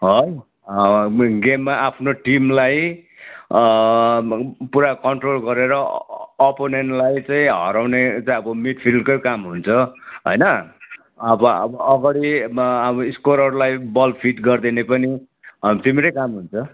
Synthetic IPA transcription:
ɦʌj | ɡemːaʔapʰnoʈimlaj | puɾakʌɳʈrolɡʌɾeɾʌː | ponenlajt͡saĩɦʌ̰ɾawnet͡saĩʌbʌmiʈpʰilkojkamɦunt͡sʰʌɦʌ̰jnʌ | ʌbʌʌ̰bʌʔːɡʌɽibiskoɾʌɾulajbʌlpʰiʈɡʌrd̪inepʌni | t̪imeɾʌjkamɦunt͡sʰʌ

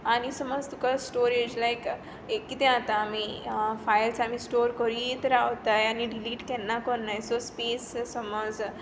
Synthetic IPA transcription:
anisɔməzt̪ukasʈoːɾed͡ʒlajk | ekːit̪ẽãt̪aːmifajlsamisʈoːɾkɔɾit̪ɾaot̪ajaniɖiliːʈkenːakɔnːajsospeːssɔmɔd͡z

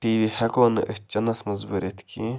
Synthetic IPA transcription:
ʈiːʋiːhɛkoːnɨ̰ʔət͡ʃɐnɐsmɐzbuːɾʲet̪ki

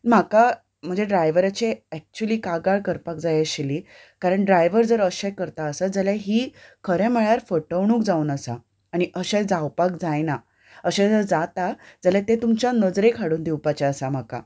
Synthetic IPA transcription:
m̤aka | m̤əɳd͡zeɖɾajʋəɾat͡ɕeɛk̚t͡ɕuəliːkaɡaɭkəɾpak̚d͡zajaɕiliː | kaɾəɳɖɾajʋəɾd͡zəɾəɕãkəɾt̪aəsad͡zəljaɦiːkʰəɾɛ̃mɛɭaɾfəʈəʋɳũːkd͡zauːnəsa̰ | aɽ̃iʔəɕed͡zawpak̚d͡zajna | əɕẽd͡zəɾd͡zat̪ad͡zəlat̪et̪umt͡ɕjanəd͡zɾekʰaɽuːnd̪iwpat͡ɕaəsam̤aka̰

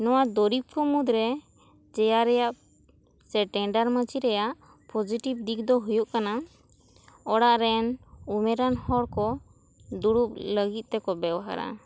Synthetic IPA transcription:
nɔwad̪ɔɾip̚kɔmud̪ɾɛ | d͡ʒɛjaɾɛjaʔ | sɛʈɛɳɖaɾmət͡ʃiɾɛjaʔ | pʰɔd͡ʒiʈib̚d̪ik̚d̪ɔɦujuʔkana | ɔɽaʔɾɛnumɛɾanhɔɽkɔ | d̪uɽup̚ləɡit̪̚ˀt̪ɛkɔbɛwaɦa̰ɾa̰

